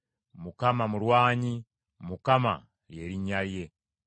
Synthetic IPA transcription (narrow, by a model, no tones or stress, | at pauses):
mukamamuɾwaːɲi | mukama̰ | lje̞ɾiɲaɾje̞